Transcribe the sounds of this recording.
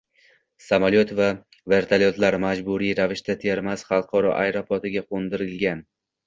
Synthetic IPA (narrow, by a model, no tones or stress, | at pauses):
samalot̪va | ve̞ɾt̪ʰaljot̪laɾmad͡ʒbuɾiɾavɪʃt̪at̪ʰeɾmasχɑlˠqʰɒɾɒ̰ʔajɾopʰot̪ɪɡʲaqʰond̪ɪɾɪlɡʲan